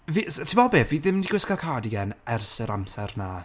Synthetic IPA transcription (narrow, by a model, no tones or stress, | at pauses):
vistʰɪmɔbeviðɪmndiɡwɪskakʰaːdiɡɛnɛrsəɾamsɛrna